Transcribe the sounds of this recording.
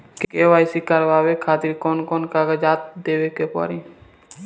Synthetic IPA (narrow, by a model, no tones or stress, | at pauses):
kkeːʋaːjsikəɾʋaːwekʰaːt̪ɪɾkoːnkoːnkaɡəd͡ʒaːt̪̚d̪eːʋekepɔ̰ɾi